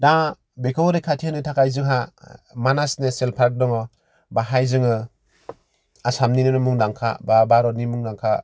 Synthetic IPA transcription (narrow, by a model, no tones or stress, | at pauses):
da | bekʰɔwɾekʰatʰianɯtʰakajzɯŋɦamanasneselpʰaɾk̚dɔŋɯ | baɦajzɯŋɯ | asamninɯnɯmɯŋdaŋkʰa̰babaɾɔnimuŋnaŋkʰa̰